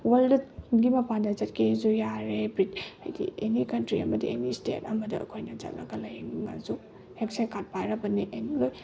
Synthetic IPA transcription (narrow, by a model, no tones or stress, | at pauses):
weldɡimɐpandɐzɐt̚kʰezujaɾebɾit̚a̰jdḭenikɐntɾiɐ̰mɐdienistḛtɐmɐdɐɐ̰kʰojnɐd͡ʒɐ̰t̚nɐɡɐlɐjŋŋa̰zu | heksekʰat̚pajɾɐbɐniʔenloj